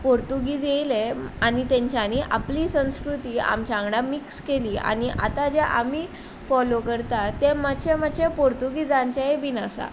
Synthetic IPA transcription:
poɾt̪uɡid͡zejleanit̪ẽɲt͡ɕjaniʔapliːsə̃w̃skɾut̪iːa̰mt͡ɕãŋɡɽamikskeliːa̰niʔa̰t̪ad͡ʑeʔami | fɔlokəɾt̪at̪emat͡ɕʰemat͡ɕʰepoɾt̪uɡid͡zaɲt͡ɕaebinasa̰

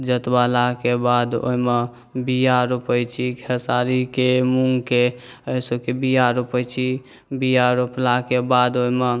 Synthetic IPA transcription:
d͡ʒət̪balakebad̪o̰ɦime | bijaɾupəjt͡ʃʰikʰəsaɾikemuŋɡke | əjsokebijaɾupəjt͡ʃʰi | bijaɾuplakebad̪oɦime

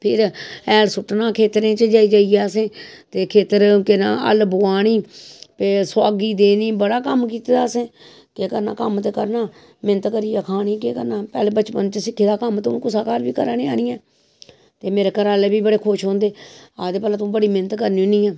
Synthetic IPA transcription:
pʰɪɾɛːlsʊʈnaːkʰeːt̪ɾẽːt͡ʃəd͡ʒaːiːd͡ʒaːiːjaːəsẽːt̪eːkʰeːt̪əɾkɪna̰ːə̰lbʊaːɽ̃iːpeːsʊaːɡiːd̪eːniːbəɽaːkəmk̬iːt̪ed̪aːsẽː | kekəɾna̰ːkəmt̪eːkəɾnaː | mɪnət̪kəɾiːaːkʰaːɽ̃iːkeːkə̰ɾnãːpɛ̰ːleːbət͡ʃpə̰nt͡ʃəsɪkʰːeːd̪aːkəmt̪ːũːkʊsaːkaːɾbiːkəɾaːniːaːniːɛː | t̪eːmeːɾeːkəɾaːleːbiːbəɽeːkʰʊʃɦõːnd̪eːaːd̪eːpɛlãːt̪ũːbəɽiːmɪnət̪kəɾniːoniːɛː

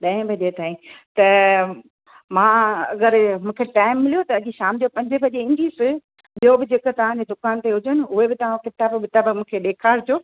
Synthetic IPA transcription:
ɗɐ̃ːɪ̃bɐʄet̪aːĩt̪ɐ | mãːɐɡəɾmũːkʰeʈaːɪmːɪlijot̪ɐɐd͡ʑiʃaːmd͡ʑopɐ̃ɲd͡ʑɪbɐd͡ʑeɪ̃nd̪iːsɪ | ɓijobɪd͡ʑekə̆t̪ɐʋ̤ãːɲd͡ʑed̪ʊkaːnt̪eɦʊd͡ʑənɪ̆ʊɦebɪt̪ɐʋ̤ãkɪt̪aːbbɪt̪abmũːkʰeɗeːkʰaːɾd͡ʑʰjoː

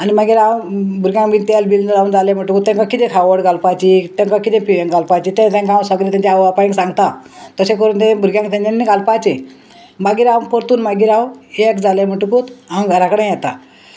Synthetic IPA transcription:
animaɡiːɾawbʱuɾɡʲjãŋbint̪ɛlbilnəɾaund͡zaljam̤əʈukut̪ːɛ̃ŋkakːit̪ẽkʰaʋəɽɡalpat͡ɕit̪ɛ̃ŋkakːit̪ẽpiʋjẽŋɡalpat͡ɕit̪ẽt̪ɛ̃ŋkãwsəɡɾet̪ãɲt͡ɕeawapaj̃ŋksãŋɡt̪at̪əsekəɾuːnt̪ẽbʱuɾɡʲjãŋkt̪ãɲt͡ɕanːiɡalpat͡ɕe | maɡiːɾawpoɾt̪uːnmaɡiːɾãwekd͡zaljam̤əʈukut̪ãŋɡɾakɽãjjɛt̪a

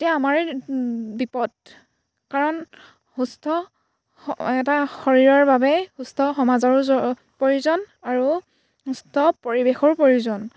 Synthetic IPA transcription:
etijaːmaɹ | bipɔd̚ | kaɹɔn | hustʰɔ | ɛtaxɔɹiɹɔɹbabɛhustʰɔxɔmazaɹɔɔ | poɹjuzɔn | aɹu | ɦustʰɔpoɹibexɔɹpoɹjuzɔn

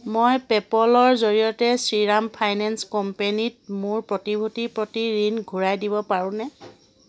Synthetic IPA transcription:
mojpɛpɔlɔɹzoɹijɔtɛsɹiɹampʰajnɛnskɔmpenit̚mʊɹpɹɔtibʱutipɹotiɹinɡʱuɹajdibɔpaɹʊ̃nɛ

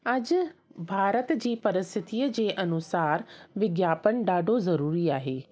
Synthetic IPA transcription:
ɐd͡ʑbʱaːɾət̪d͡ʑiːpɐɾɪst̪ʰɪt̪iːəd͡ʑeːʔɐnʊsaːɾʋɪɡjaːpənɖaːɖʱozɐɾuːɾiaːɦeː

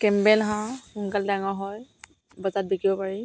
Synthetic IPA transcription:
kɛmbɛlɦãkunkaldaŋɔɦɔj | bɔzat̚bikibɔpaɹi

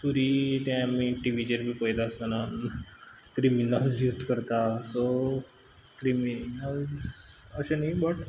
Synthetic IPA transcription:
suɾit̪ɛ̃amiʈiʋid͡ʑeɾbʱipəjd̪aəst̪ana | kɾiminald͡zud͡zkəɾt̪aso | kɾiminalsəɕenaɦibəʈ

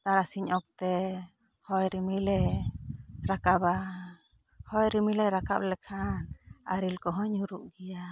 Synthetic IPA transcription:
t̪aɾasiɲɔk̚t̪ɛ | hɔjɾimilɛ | ɾakaba | hɔjɾimilɛɾaka̰blɛkʰanaɾilkɔɦɔɲuɾuʔɡija

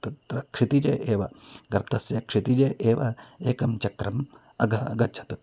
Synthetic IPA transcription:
t̪ɐt̪ɾɐkʂit̪id͡ʒeːʔeːʋɐɡɐɾt̪ʰɐsjɐkʂit̪id͡ʒeːʔeːʋɐeːkɐmt͡ʃɐkɾɐm | ɐɡʱɐɐɡɐt͡ʃʰɐ̥t̪

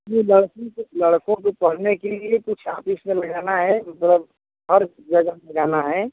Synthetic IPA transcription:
jiləɽkõklɐɽkõkopɐɽ̤nekeliekʊt͡ʃʰaːpismẽlɐɡaːnaɦɛmɐt̪ləb | hɐɾ | d͡ʒɐɡəɦmɐ̃ɡaːnaɦɛː

